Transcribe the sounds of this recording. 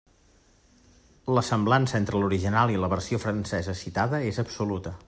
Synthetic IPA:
ləsəmblansəent̪ɾəluɾiʒinalˠiləβərsiofɾənsɛzəsit̪aðəezəpsulut̪ə

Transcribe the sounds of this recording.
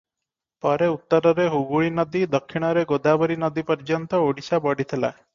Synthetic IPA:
pɔɾeut̪ːɔɾɔɾeɦuɡuɭinɔd̪id̪ɔkʰːiɽ̃ɔɾeɡod̪abɔɾinɔd̪ipɔɾd͡ʒɔnt̪ɔoɽisabɔɽit̪ʰela̰e

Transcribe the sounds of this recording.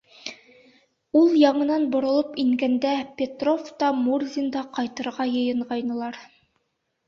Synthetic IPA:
ulˠjɑɴɤ̆nɑnbŏɾŏlˠɤpiŋɡænd̪æpʲet̪ro̞ft̪ɑmurzʲind̪ɑqɑjt̪ɤ̆ɾʁɑjɤ̆jɤ̆ɴʁɑjnɤ̆lˠɑɾ

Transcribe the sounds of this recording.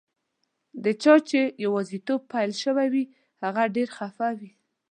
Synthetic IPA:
d̪ət͡ʃɑt͡ʃejawɑzit̪ob̚pajlʃəwawi | haɣaɖeɾxafawi

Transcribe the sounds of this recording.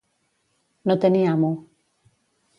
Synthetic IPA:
not̪eniamo

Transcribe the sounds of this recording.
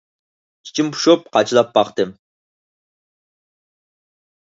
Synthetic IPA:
t͡ʃʰi̥t͡ʃʰimpʰu̥ʃop̚qʰɑt͡ʃʰilˠɑpːɑqt̪ɨm

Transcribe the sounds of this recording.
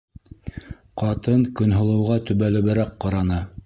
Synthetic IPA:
qɑt̪ɤnkɵ̆nɦŏlˠɤ̆wʁɑt̪ɵ̆βælɘ̆βɘ̆ɾæqqːɑɾɑnɤ

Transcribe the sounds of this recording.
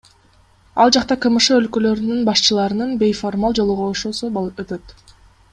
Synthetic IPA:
ɑlˠd͡ʒɑqt̪ɑqʰɯmɯʃɯølkø̞lø̞ɾynynbɑʃt͡ʃɯlˠɑɾɯnɯnbʲe̞jfo̞rmalˠd͡ʒo̞lˠuʁoːʃosuøt̪ø̞t̪

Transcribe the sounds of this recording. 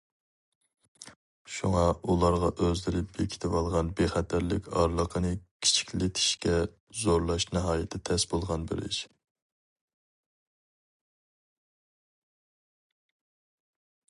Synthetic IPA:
ʃuŋɑulˠɑɾʁɑʔøzlɪɾɪp̚bekʲʰi̥t̪ʰɪvɑlˠʁɑnbeχɛt̪ʰæɾlɪkʲɑɾlˠəqʰənɨkʲʰi̥t͡ʃʰi̥kʲlɪt̪ʰi̥ʃkʲɛ | zoɾlˠɑʃnɨɦɑːjɪt̪ʰt̪ʰɛsbolˠʁɑnbɪ̰ɾɪ̰ʃ

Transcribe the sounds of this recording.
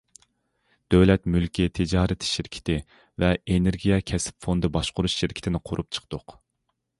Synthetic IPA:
d̪̥øwlɛt̪mylkʲit̪ʰɪd͡ʒɑːɾɪt̪ʰʃɪɾkʲʰɪ̥t̪ʰɪ | vɛeneɾɡʲijɛkʲʰɛsɪ̥pfond̪ɨbɑʃqʊɾuʃʃɪɾkʲʰɪ̥t̪ʰɪnɪqʰoɾʔup̚t͡ʃʰə̥qʰd̪̥ʊq

